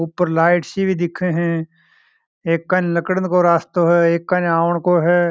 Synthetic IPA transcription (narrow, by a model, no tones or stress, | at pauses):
uːpəɾlaːɪʈsibʱid̪ɪkʰeɦɛ̃ː | eːkːənləkɽənkoɾaːst̪oɦɛːeːkːɐnaːʋəɳ̃koɦɛː